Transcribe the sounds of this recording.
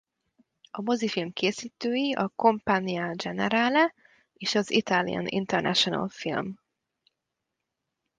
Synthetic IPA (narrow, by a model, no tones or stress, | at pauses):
ɒmo̞zifilmkʰeːsiːt̪øːjiʔɒko̞mpaːnijad͡ʒɛnɛɾaːlɛ | eːʃɒzit̪aːlḭɒ̰nʔḭnt̪ɛrnʔɛ̰ʃonɒ̰lfilm